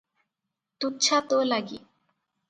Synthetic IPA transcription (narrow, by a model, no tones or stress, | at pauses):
t̪utːɕʰat̪olaɡi